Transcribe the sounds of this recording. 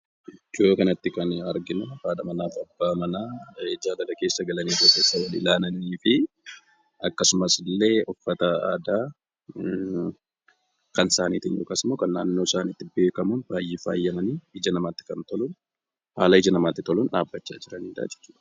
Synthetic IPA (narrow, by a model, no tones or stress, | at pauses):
ɪd͡ʒoːkɐnɐt̪ːɪkɐnɐɾɡɪnɐbaːᶑ̪ɐmɐnaːfɐbːaːmɐnaːd͡ʒaːd̪ɐlɐke̞ːsːɐɡɐlɐniːt̪okːeːsːɐwɐlɪ̰laːnɐniːfɪ | ɐkːɐsʊmɐslːe̞ːʔɔfːɐt̪ɐa̰ːd̪aː | kɐnsaːniːt̪ɪnjoːkasɪmoːkɐnːaːnːoːɪsaːnit̪ːɪbe̞ːkɐmɐnbaːjːɪfa̰ːjːɐmɐniːhɪd͡ʒɐnɐmaːt̪ːɪ̥kɐnt̪ɔlʊn | haːlɐɪd͡ʒɐnɐmaːt̪ːɪt̪ɔlʊnᶑaːbːɐt͡ʃːa̰ːd͡ʒɪɾɐniːd̪a̰ːd͡ʒɛ̥t͡ʃːuːᶑɐ̥